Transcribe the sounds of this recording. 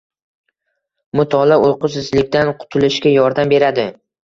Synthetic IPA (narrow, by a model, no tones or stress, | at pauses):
mʊt̪ʰɒlaojqʊsɪzlɪkʲt̪anqʰʊ̥t̪ʰʊlɪʃkʲajɒɾd̪ambe̞ɾad̪ɪ